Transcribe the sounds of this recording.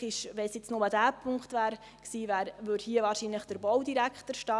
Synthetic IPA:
ɪʃʋɛnsjet͡snomɑdæːpʰʊŋkχtvʋæːɾ | ksiːvæːɾvødhiːəʋɑːɾʃinləχd̥əɾbɔwdiɾækχtəɾʃtɑː

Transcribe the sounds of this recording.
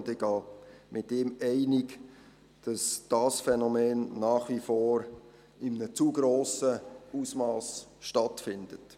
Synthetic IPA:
dɛɡɑːmʔɪtɪmɛɪnɪɡ | d̥ɑsd̥ɑːsfɛnɔmeːnːɑːχʋifoːɾ | ɪmnət͡suɡ̥ɾoːsəusmɑːsʃtɑtfɪnd̥ət

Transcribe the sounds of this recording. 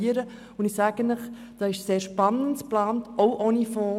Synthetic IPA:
əɾə | ʊnɪsæːɡ̥ənəχ | d̥ɑːɪʃseːɾʃpɑnːəntplɑːntʔɔʊʔɔnifɔː

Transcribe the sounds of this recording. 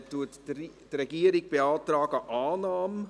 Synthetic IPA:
tːuəttrɛɡiːəɾiɡ̚b̥eɑːtɾɑːɡəʔɑːnɑːm

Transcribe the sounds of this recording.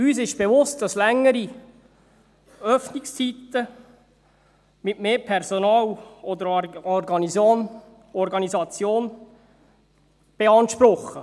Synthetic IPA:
yːsɪʃb̥eʋʊst̚d̥ɑslɛŋːəɾi | œfnɪkst͡sit̪ə | mɪtmeːpʰɛɾzɔnɑːwɔd̪əɾɔrɡɑnizjoːn | ɔɾɡɑnizɑt͡sjoːn | b̥eɑnʃpɾʊχːə

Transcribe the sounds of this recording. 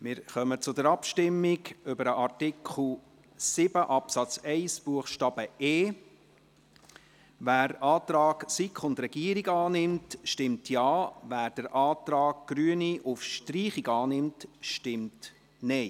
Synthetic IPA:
mɪɾχœmət͡sʊdəɾɑpʃtɪmːiɡʏbəɾəʔɑrtɪkχl̩ˠ | sɪb̥əʔɑpsɑt͡sɛɪsb̥uəχʃtɑːb̥əeː | ʋæːɾɑːtɾɑːɡsikχʊndɾɛɡ̥iəɾiɡɑːnɪmtʃtɪmtʰjɑːʋæːɾd̥əɾʔɑːtɾɑːɡ̚ɡ̥ɾyəniʔʊfʃtɾiːχiɡɑːnɪmtʃtɪmt | nɛɪ

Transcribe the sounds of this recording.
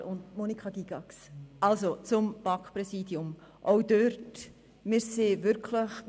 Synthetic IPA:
ʊndmonikχɑɡiɡ̥ɑksʔɑlsot͡sʊmb̥ɑkpɾɛsiːdjʊm | ʔowdøɾt | mɪːɾseːʋʏɾkʰləχ

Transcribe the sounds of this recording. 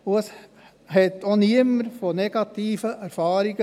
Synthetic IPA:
oəs | hɛt̪ːoniəməɾfonɛɡ̥ɑt̪iːfəʔæɾfɑːɾiɡ̥ə

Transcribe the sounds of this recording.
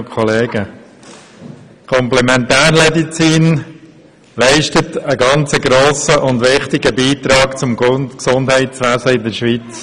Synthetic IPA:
kʰɔleːɡə | kʰɔmplɛmɛnt̪æːɾmɛdit͡siːn | lɛɪʃtətəɡɑnt͡səɡɾoːsəʔʊnd̪ʋɪχtɪɡəbiːt̪ɾɑːkt͡sʊmksʊndɦɛɪt͡sʋæzəɪdəɾʃʋit͡s

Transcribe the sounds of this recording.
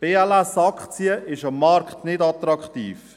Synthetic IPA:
b̥eːɛlæsɑkχt͡siəʔɪʃɑmːɑɾkχtnɪdɑt̪ɾɑkχtḭːf

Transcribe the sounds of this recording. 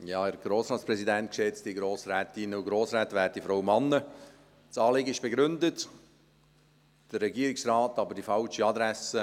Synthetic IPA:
jɑːæɾɡ̥ɾoːsɾɑːtt͡spɾɛsidɛnt̚kʃɛt͡stiɡɾoːsɾɛːt̪ɪnəuɡɾoːsrɛːtʋæːt̚difɾowmɑnːə | tt͡sɑːlɪɡəɪʃb̥eɡɾʏndət | d̥ərːɛɡiːəɾɪksrɑːtɑbəɾdifɑlʃiɑd̪ɾæsə

